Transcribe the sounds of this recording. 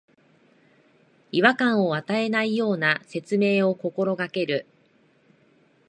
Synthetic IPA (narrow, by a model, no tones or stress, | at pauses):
iβakãɰ̃o̞at̪ae̞naijo̞ːnase̞t͡sɨme̞ːo̞ko̞ko̞ɾo̞ɡake̞ɾɯ̟